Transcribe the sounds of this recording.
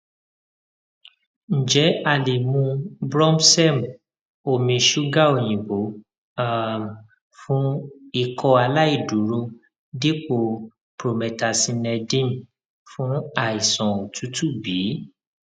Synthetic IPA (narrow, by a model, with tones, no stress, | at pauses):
n̩˨d͡ʒɛ˨˦a˨le˨mũ˧bɾɔ̃˦msɛ˦m | o˨mĩ˧ʃu˦ɡa˦o˨j̃ĩ˨bo˨˦ | a˦˨m˨ | fũ˦i˦˨kʰɔ˧a˧la˦i˦˨du˨˦ɾu˧ | de˦k͡po˧ | pɾo˧˨mɛ˧ta˧sĩ˧nɛ˧dĩ˦n | fũ˦a˦˨i˨sɔ̃˨o˨tu˨˦tu˦˨bi˨˦